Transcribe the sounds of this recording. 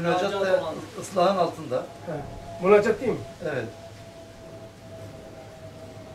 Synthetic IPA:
nat͡ʃak̪aɯslˠaɦɯnalˠt̪ʰɯnd̪a | bulat͡ʃʰak̚t̪ijmevɛt̪

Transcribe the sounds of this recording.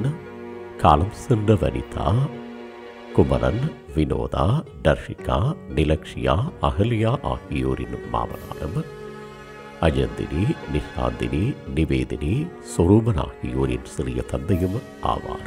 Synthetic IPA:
n | kaːlɐmsɨndɐʋɐ̰nḭt̪ʰa̰ː | kʊmɐɾɐ̰n | ʋino̰ːðaː | ɖɐɾʂɪkaːnɪlɐkʂɪjaːɐɣɐlijaːʔaːhijoːɾinma̰ːʋɐ̰naːɾɐm | ɐd͡ʒɐnd̪ḭninɪʂa̰ːnd̪ininɪʋeːðɐniː | soɾuːmɐna̰ːhijoːɾɪ̰nsiɾɪjɐt̪ɐnd̪ɐjɐm | a̰ːʋaːnɐm

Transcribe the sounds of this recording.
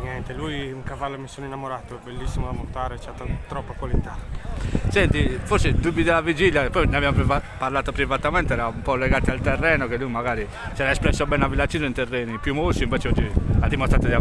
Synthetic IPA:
njɛnt̪elujuŋkavalːomisonoinːamoɾaːt̪oɛbelːisːimod̪amont̪aːɾet͡ʃat̪ːot̪ɾɔpːakwalit̪a | sɛnt̪ifoɾsed̪ubːid̪elːavid͡ʒiljapɔjneabjamopɾivaparlaːt̪opɾivat̪amɛnt̪eɛɾaumpɔlɛɡaːt̪ialt̪erːɛːnokelːujmaɡaːɾi | t͡ʃɛːɾaɛspɾɛsːobɛnavilat͡ʃːiːzoint̪erːɛːnipjumːosiɱvɛːt͡ʃeɔd͡ʒːilad̪imost̪ɾat̪ad̪ia

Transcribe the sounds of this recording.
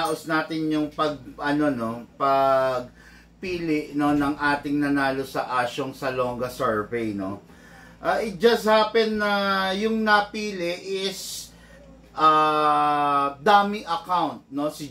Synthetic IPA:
aʔosnaːt̪ɪnjʊŋpɐɡ̚ʔɐno̞no̞pɐɡ̚ | piːlɪʔno̞nɐŋʔaːt̪ɪŋnɐnaːlo̞sɐʔaːʃoŋsɐloŋɡɐsɛɹvɛjno̞̰ | ʔaʔɪd͡ʒɐs̚haːpɛnːɐjʊŋnɐpiːlɪʔʔɪs | ʔɐ | d̪aːmɪʔɐkawnt̪̚no̞sɪ

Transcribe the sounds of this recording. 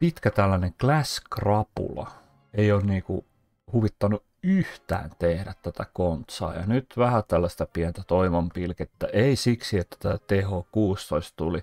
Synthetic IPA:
pit̪kæt̪ælːæneŋklæskrɑpṵlɑ̰ | eioːnniːkṵ | huʋit̪ːɑnu | yht̪æ̰ːnt̪ehɾæt̪t̪æt̪ækont̪sɑ̰ːjɑ̰nyt̪ʋæhæt̪ælːæst̪æpiænt̪æt̪oiʋɑmpilket̪ːæʔeisiksiet̪ːæ̥t̪æːt̪ehokuːst̪oist̪t̪uli

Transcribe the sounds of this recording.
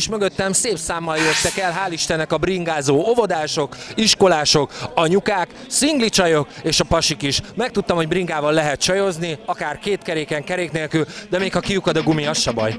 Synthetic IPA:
iʃmø̞ɡøt̪ːɛmseːpsaːmːɒljøt̪ːɛkɛlɦaːliʃt̪ɛnːɛkɒbriŋɡaːzoːovo̞d̪aːʃo̞kiʃko̞laːʃo̞kɒɲukaːk | siŋɡlit͡ʃɒjo̞keːʃɒpɒʃikiʃmɛk̚t̪ut̪ːɒmho̞ɟbriŋɡaːvɒlːɛɦɛt̪̚t͡ʃɒjo̞zniɒkaːrkeːt̪kɛɾeːkɛŋkɛɾeːkneːlkyld̪ɛmeːkhɒkijukɒd̪ɒɡumiɒʃɒbɒ̰j

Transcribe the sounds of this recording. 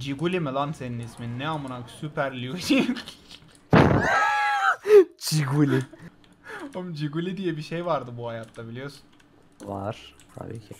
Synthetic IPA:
d͡ʒiɡulʲimelˠanseninisminːɛamɯnaksypʰæɾlʲid͡ʒi | d͡ʒiɡuli | omd͡ʒiɡulʲid̪ijɛbiʃejvaɾd̪ɯbuhajat̪ːabilʲijoɾsun | va̰ɾ̥t̪ʰa̰bḭːcʰi

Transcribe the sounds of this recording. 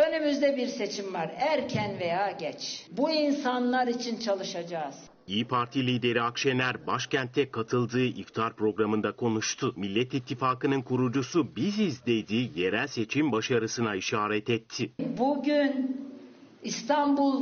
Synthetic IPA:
ønymyzd̪ɛbiɾse̞t͡ʃʰimvaɾæɾcʰænvejaːɟɛt͡ʃbuinsanlˠaɾit͡ʃʰint͡ʃʰalˠɯʃad͡ʒaz̥ | iːpʰaɾt̪ʰilʲiːd̪e̞ɾiakʃenʲæɾbaʃcænt̪ʰːɛkʰat̪ʰɯlˠd̪ɯːʔift̪ʰaɾpɾo̞ɡɾamɯnd̪akʰo̞nuʃt̪ʰʊmilʲːɛt̪it̪ʰːifaːkɯnɯnkʰuɾud͡ʒusubizizlʲe̞jd̪iːje̞ɾælʲse̞t͡ʃʰimbaʃaɾɯsɯnaiʃaːɾɛt̪ɛt̪ʰːɪbuɟyn | ist̪ʰambulˠ

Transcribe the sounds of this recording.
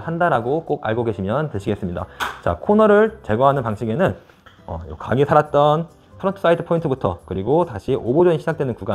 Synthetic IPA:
handaɾaɡok͈oɡa̰ɭɡoɡe̞ɕʰimjʌntɯɕʰiɡe̞s͈ɯmɲida̰t͡ɕa̰kʰonʌɾɯɭt͡ɕe̞ɡwʌɦanɯnpaŋɕʰiɡe̞nɯn | ʌ̰o̰ka̰ɡisʰaɾat̚t͈ʌn | pʰʌɾʌntʰɯ̥s͈aitʰɯ̥pʰointʰɯbutʰʌkɯɾiɡotaɕʰiʔobod͡ʑʌɲiɕʰid͡ʑak̚twenɯnkuɡa

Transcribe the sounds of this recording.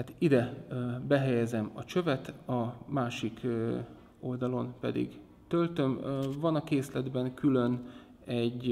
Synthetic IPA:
hat̪id̪ɛbɛɦɛjɛzɛmɒt͡ʃø̞vɛt̪ɒmaːʃik | o̞ld̪ɒlo̞mpɛ̰d̪ḭɡ | t̪ølt̪ø̞mvɒnɒkeːslɛd̪bɛŋkylø̞n | ɛɟ

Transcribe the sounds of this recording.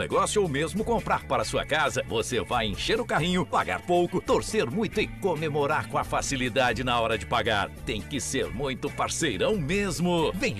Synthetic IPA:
nḛɡɔsjʊowmezmʊkõmpɾaɾpaɾɐsuɐ̰kazɐvosevajẽʃeɾʊkaɦĩɲʊpa̰ɡa̰ɾpowkʊt̪oɾseɾmũj̃t̪ʊɪkomemoɾaɾkõɐfasilid̪ad͡ʒɪnɐɔɾɐd͡ʒɪpaɡa̰ɾt̪ẽj̃kɪseɾmũj̃t̪ʊpaɾsejɾɐ̃w̃mezmʊvẽj̃

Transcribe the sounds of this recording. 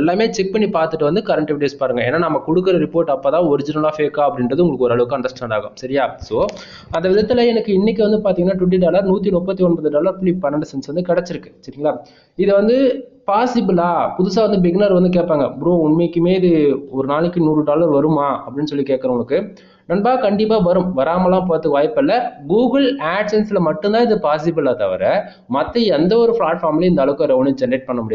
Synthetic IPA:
ɛlːaːmeːt͡ʃɛk̚pɐɳːipaːɾt̪ɯʈːɯʋɐnd̪ɯkɐɾɐɳʈɛʋɪʈeːspaːɾɯŋɡɐeːnːaːnɐmːɐkɔɽɯkːɯɾɐɾɪpoːɾʈːɐpːaːt̪ãːɔɾɪd͡ʒɪnɐlaːfeːkaːɐpːɐɽɪnrɐðɯʊŋɡɐɭɯkːɔɾɯɐɭɯʋɯkːɯɐɳɖɐsʈaːɳɖaːɣɐ̰msɐɾɪjaːsoː | ɐnd̪ɐʋɪðɐt̪ːɪlɐɛnɐkːɯɪnːɪkːɯʋɐnd̪ɯpaːɾt̪iːŋɡɐnːaːʈʊʈ̬ːiɖaːlɐɾnuːt̪ːinʊpːɐt̪ːiɔɳbɐðɯɖaːlɐɾplipɐnːɐɳɖɯsɛnsʋɐnd̪ɯkɛɽɛt͡ʃːɪɾɯkːɯ̥sɐɾiːŋɡɐɭaː | ɪðɯʋɐnd̪ɯpaːsɪbɪlaːpʊðʊsaːʋɐnd̪ɯbɪɡnɐɾʋɐnd̪ɯk̬eːʈ̚paːŋɡɐbɾoːʊɳmekːɯmeːɪðɯɔɾɯnaːɭɯkːɯnuːrɯɖaːlɐɾʋɐɾɯmaːɐpːɐɽɪnːɯsɔlːikeːʈ̚kɐɾɐʋʊɡɐɭɯkːɯ | nɐnbaːkɐɳɖɪpːaːʋɐɾɯmʋɐɾaːmɐlãːpoːɾɐt̪ːɯkʋaːjpːɛlːɐɡuːɡɐlaːʈsɛnslɐmɐʈːɯnd̪ãːɪðɯpaːsɪbɪlaːt̪ɐ̰ʋɐ̰ɾɛ | mɐt̪ːɐɛnd̪ɐɔɾɯfɭaːʈfaːmɪliɪnd̪aːɭɐʋɯkːõɾɐʋɐnɯd͡ʒɛnɾeːʈ̚pɐɳːɐmʊɽɪj

